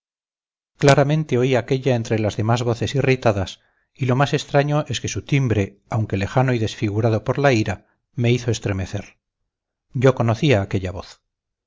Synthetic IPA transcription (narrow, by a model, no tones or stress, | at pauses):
klaɾamẽ̞nt̪e̞o̞iake̞ʎae̞nt̪ɾe̞lazðe̞mazβo̞θe̞sirit̪aðas | ilo̞mase̞st̪ɾaɲo̞ʔe̞ske̞sut̪imbɾe̞ | awŋke̞le̞xanoiðe̞sfiɣ̞uɾaðo̞po̞ɾlaiɾa | me̞iθo̞e̞st̪ɾe̞me̞θe̞ɾ | ɟ͡ʝo̞ko̞noθiaːke̞ʎaβo̞̰θ